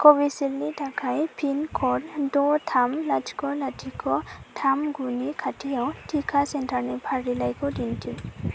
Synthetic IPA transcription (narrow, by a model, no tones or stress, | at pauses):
kɔbisilnitakʰajpʰinkʰɔddɔtʰamlad͡ʒkɔlatʰikɔtʰamɡunikʰatʰiawtʰikʰasɛntaɾnɛpʰaɹilajkɔdintʰi